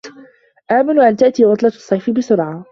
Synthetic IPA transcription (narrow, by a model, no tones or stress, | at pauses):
ʔaːmanuʔant̪aʔt̪iːwɑt̪ˤlɑsˤːɑjfɪbɪsʊɾʕa